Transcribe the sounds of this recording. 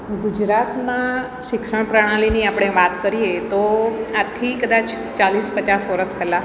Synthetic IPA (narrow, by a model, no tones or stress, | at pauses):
ɡud͡ʒɾat̪na | ʃɪkʃəɳ̃pɾaɽ̃ãliniapɽ̃eʋat̪kəɾiet̪oat̪ʰikəd̪at͡ʃ | t͡ʃalispət͡ʃasʋəɾəskəlːak